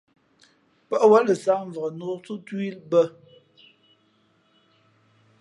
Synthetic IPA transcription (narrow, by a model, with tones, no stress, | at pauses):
pə˦ʔwa˦lə˨sa˦ɱ˨və˨ʁə˨no˨˦t͡su˦twi˦lbə˦